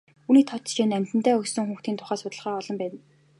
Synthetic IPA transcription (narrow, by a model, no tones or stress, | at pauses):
uːniːt̪ʰɔt̪t͡ɕeːnæm̥ʲt̪ɘ̆n̥t̪æːɵkssɵ̆ŋxuːxt̪iːnt̪ʰʊ̥χaːsʊt̪ə̆ɮʁaːɔɮɞ̆mpæːt̪